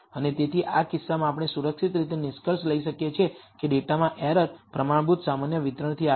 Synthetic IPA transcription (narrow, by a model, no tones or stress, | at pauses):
ənet̪et̪ʰiʔakɪsːamãapəɽɳ̃esuɾəkʃit̪ɾit̪enɪʃkəɾʃləiʃəkjet͡ʃʰekeɖeʈamãʔɛɾət̪pɾəmaɳ̃but̪samanjəʋɪt̪ɾəɳ̃t̪ʰia